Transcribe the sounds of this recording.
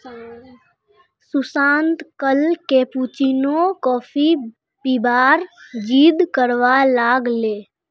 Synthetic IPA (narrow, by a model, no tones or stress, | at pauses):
sʊsãːnt̪kəlkeːput͡ʃinokɔːpʰi | pibaːɾd͡ʒiːd̪kəɾʋalaːɡleː